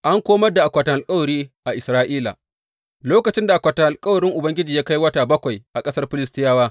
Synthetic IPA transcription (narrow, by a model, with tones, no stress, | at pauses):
ʔa˦ŋkʷoː˦mɐ˦rda˨ʔa˨kʷɐ˨tɐ˨ʔa˨lkʼɐ˦wɐ˨ɽiː˦ʔa˨ʔɪ˨sɾaː˦ʔiː˦la̰ː˨ | loː˦kɐ˨t͡ʃɪ˦nda˨ʔa˨kʷa˨tɐ˨ʔa˨lkʼɐ˦wɐ˨ɽɪ˦ŋʔʊ˨bɐ˦ŋɡʲɪ˦d͡ʒiː˨jaː˦ka˦jwɐ˦taː˨bɐ˦kʷa˨jʔa˨kʼɐ˦sɐ˦rɸɪ˦lɪ˦stɪ˦jaː˦waː˦